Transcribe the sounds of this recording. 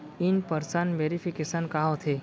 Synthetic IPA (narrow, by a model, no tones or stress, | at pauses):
inpəɾsənʋeɾipʰikesənkaɦõt̪ʰe